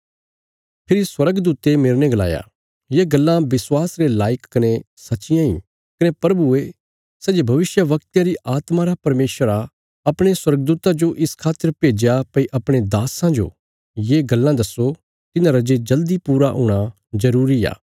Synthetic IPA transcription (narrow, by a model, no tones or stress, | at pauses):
pʰɪɾiswɐɾəɡd̪uːt̪emeːɾneɡɐla̰ːja̰ː | jeɡɐlːãʋɪswaːsɾelaːɪkːɐne | sɐtːʃɪjãḭ̃ː | kɐnepɾɐbue | sɛːd͡ʒebʱɐʋɪsjəʋɐk̚t̪jãɾiʔaːt̪maɾapɐɾmeːʃəɾa | ɐpɽ̃eswɐɾɡ̚d̪uːt̪ad͡ʒoʔɪskʰaːt̪ːəɾpeːd͡ʒjapɐiʔɐpɽ̃ed̪aːsãd͡ʒo̰ː | jeːɡɐlːãd̪ɐso | t̪ɪnãɾɐd͡ʒed͡ʒɐld̪ipuːɾaɦṵːɽ̃a | zɐɾuːɾia̰ː